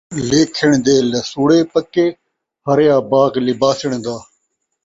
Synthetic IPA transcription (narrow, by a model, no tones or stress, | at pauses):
leːkʰɪɳd̪eːləsuːɽeːpəkeː | həɾjaːbaːɡlɪbaːsɪɳd̪aː